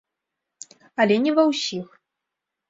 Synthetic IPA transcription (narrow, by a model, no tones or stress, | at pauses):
ɐlʲɛnʲɛvɐwsʲix